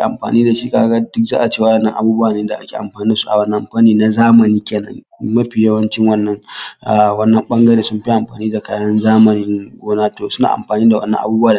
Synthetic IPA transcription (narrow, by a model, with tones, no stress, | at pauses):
ʔa̰˨mɸa̰ː˨niː˦da˨ʃi˦kaː˦ɡa˦dʊ˦k̚za̰ː˦ʔa˨t͡ʃeː˦˨wɐ˦ɗɐ˨nːɐ̰˦ŋʔa̰˨buː˦bʊ˦wa˨neː˦da˨ʔa˦kʲḛː˨ʔa̰˨mɸaː˨niː˦da˨su̥˦ʔa˨wɐ˦nɐ̃˦˨mɸa˦niː˦na˦zaː˦mɐ˨niː˦kʲeː˨nɐ̰˦ŋ | mɐ˦ɸi˨jɐ˦wɐ˦nt͡ʃɪ˦ŋwɐ˦nːɐ˦ŋʔa̰˨wɐ˦nːɐ˦mɓɐ˦ŋɡɐ˦ɽeː˨sʊ˦mɸi˦ʔa˨mɸa̰ː˨niː˦da˨ka˨˦ɐ˦nzaː˦mɐ˨nɪ˦ŋɡʷoː˦naː˦toː˨sʊ˦na̰ː˨ʔa̰˨mɸaː˨niː˦da˨wɐ̰˦nːɐ̰̃˦ʔa˨buː˦bwa˨